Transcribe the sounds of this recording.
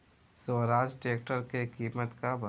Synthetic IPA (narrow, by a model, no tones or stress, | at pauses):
soɾaːd͡ʒʈeːk̚ʈəɾkekiːmət̪kabɐ